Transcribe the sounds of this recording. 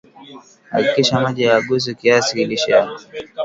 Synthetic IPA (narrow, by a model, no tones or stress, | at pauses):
ha̰kikiʃamaʄijaːɡus̬ikiasikiliʃɛja